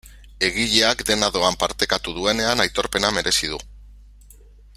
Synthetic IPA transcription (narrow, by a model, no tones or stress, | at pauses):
e̞ɣ̞iʎe̞akd̪e̞naðo̞ampaɾt̪e̞kat̪uð̞ue̞ne̞anajt̪o̞ɾpe̞name̞ɾʔe̞sið̞u